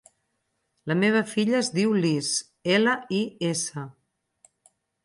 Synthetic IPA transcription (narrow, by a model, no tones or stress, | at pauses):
ləmeβ̞əfiʎəːzðiwlis | eləiesə